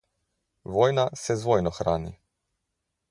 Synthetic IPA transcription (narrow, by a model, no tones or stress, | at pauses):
ʋojnasɛzʋojnɔxɾaːnḭ